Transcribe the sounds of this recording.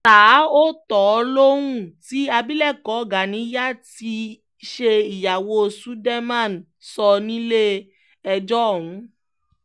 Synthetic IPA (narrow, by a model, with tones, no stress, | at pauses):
taː˨˦o˦tɔ˨˧˦lo˦wũ˦˨ti˦a˧bi˦lɛ˦˨kɔ˨˦˨ɡa˨nĩ˨˦ja˦ti˧ | ʃe˧i˨ja˨wo˨˦su˦dɛ˦mã˦˨n | sɔ˧nĩ˦le˦ | ɛ˧d͡ʒɔ˦˨w̃ũ˨˦